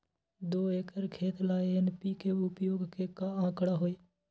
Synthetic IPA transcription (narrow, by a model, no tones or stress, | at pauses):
d̪oːeːkəɾkʰeːt̪laːeɪnpiːkeʊpjoːɡkekaãːkɽaːɦoːeː